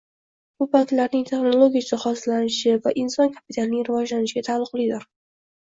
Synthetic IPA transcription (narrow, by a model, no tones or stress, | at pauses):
bʊpʰat̪laɾnɪŋt̪ʰe̞χno̞lˠoɡʲijat͡ʃʰɪχɒsɪlanɪʃɪvaʔɪnsɒnkʰapɪt̪ʰalɪnɪŋɾɪvɒd͡ʒlanɪʃɪɡʲat̪ʰalˠːʊqlˠɪd̪ʊɾ